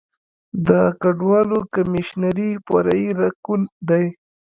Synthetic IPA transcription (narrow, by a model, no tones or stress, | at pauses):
d̪əkaɖwɑlokamɪʃnaɾipa̰ɾaiɾakund̪aj